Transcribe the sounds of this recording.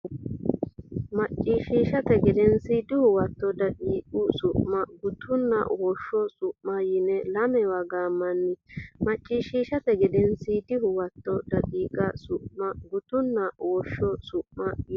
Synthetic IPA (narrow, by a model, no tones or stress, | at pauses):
mɐt͡ʃʼːiːʃiːʃɐt̪ɛɡɛd̪ɛnsɪd̪ɪhʊwɐt̪ːɔd̪ɐdiːkʼʊsʊʔmɐɡʊt̪ʊnːɐ̰wɔʃːɔsʊʔmɐjɪnɛlɐmɛwɐɡaːmːɐnːɪmɐt͡ʃʼːiːʃiːʃɐt̪ɛɡɛd̪ɛnsid̪ɪhʊwɐt̪ːɔd̪ɐᶑʼiːkʼɐsʊʔmɐɡʊt̪ʊnːɐwɔʃːɔsʊʔmɐj